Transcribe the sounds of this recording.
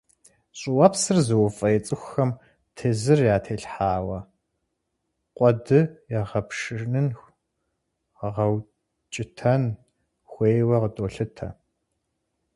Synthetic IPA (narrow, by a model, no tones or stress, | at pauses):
ɕʼɪwɐpsɨrzɨwfʼɐjɛt͡sʼɨxʷxɐm | tʰeːzɨrjaːtʰeːɬħaːwɐ | qʷʼɔdɨjaːʁɐpʂɨnɨn | əʁɐw | t͡ʃʼɪtʰɐn | xʷeːjwɐʁətʼoːɬɨtʰɐ̰